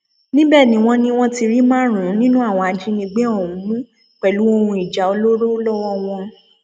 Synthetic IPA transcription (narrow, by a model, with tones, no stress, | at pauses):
nĩ˦bɛ˦˨nĩ˨˦w̃ɔ̃˦nĩ˧w̃ɔ̃˦ti˧ɾi˦mãː˦ɾ̃ũ˨˦nĩ˦nũ˦a˦˨w̃ɔ̃˧a˧d͡ʒi˦nĩ˧ɡ͡be˦ɔ˦˨ũ˨˦mũ˦ | k͡pɛ˨lu˨˦o˧hũ˧i˨d͡ʒa˨˦o˧lo˦ɾo˦lɔ˦wɔ˦w̃ɔ̃˧